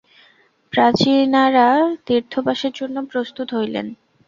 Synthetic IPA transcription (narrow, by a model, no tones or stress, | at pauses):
pɾat͡ɕinaɾad̪iɾt̪ʰopaʃeɾd͡ʑonːopɾost̪ut̪ɦojlḛn